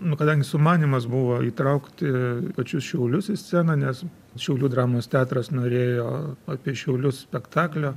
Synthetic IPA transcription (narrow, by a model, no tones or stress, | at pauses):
nʊkɐd̪ɐŋʲɡʲɪsʊmɑːnʲiːmɐsbʊʋoːiːt̪ɾɐʊkt̪ʲɪpɐt͡ʃʲʊsʃʲɛʊlʲʊsɪsʲt͡s̪ʲæːnɐnʲɛs | ʃʲɛʊlʲuːd̪ɾɑːmoːst̪ʲæːt̪ɾɐsnoːɾʲeːjoːɑːpʲiɛʃʲɛʊlʲʊssʲpʲɛkt̪ɑːklʲoː